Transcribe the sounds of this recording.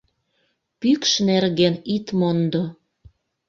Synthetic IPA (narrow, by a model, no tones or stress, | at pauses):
pykʃnerɣenit̪mond̪o